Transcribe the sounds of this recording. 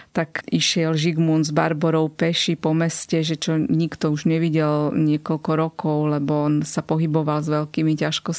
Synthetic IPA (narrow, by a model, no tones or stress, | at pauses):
t̪akiʃɪɛlʒiɡmunzbaɾbɔɾɔʊpɛʃipɔmɛscɛʒɛt͡ʃɔɲikt̪ɔuʒɲɛʋiɟɛlɲɪɛkɔlkɔɾɔkɔʊlɛbɔɔnsapɔɦibɔʋalzʋɛlkiːmicaʃkɔs